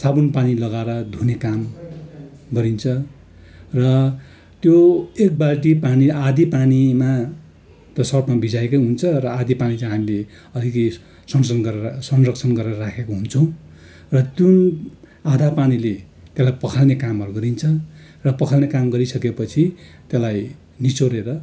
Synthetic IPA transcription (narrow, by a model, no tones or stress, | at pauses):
sabunpanilʌɡaɾʌd̪ʱunekam | ɡʌɾint͡sʰʌ | rʌ | t̪joek̚balʈ̬ipaniad̪ʱipanima | t̪ʌsʌrpmabid͡zaekʌjɦunt͡sʰʌrʌad̪ʱipanit͡sʌ̃ɦamile | ʌlikʌj | sʌnsʌnɡʌrsʌnrʌkt͡sʰʌnɡʌreʌrakʰekoɦunt͡sʰʌw̃ | rʌt̪jun | ad̪ʱapanile | t̪elajpʌkʰalnekamɦʌɾuɡʌɾint͡sʰʌ | rʌpʌkʰalnekamɡʌɾisʌkepʌt͡sʰit̪elaj | nit͡soɾeɾʌ